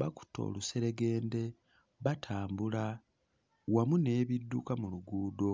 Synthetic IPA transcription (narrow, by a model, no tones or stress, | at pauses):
βaku̥to̞̰ːluse̞ɾe̞ɡe̞ːnde̞ | βatʰaːmbula | wamune̞ːβidːukamuluɡuːdo̞